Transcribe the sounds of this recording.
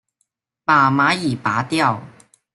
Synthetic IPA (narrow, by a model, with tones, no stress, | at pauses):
paː˨˩maː˨˥jiː˨˩paː˨˦t̪jɐ˥˩w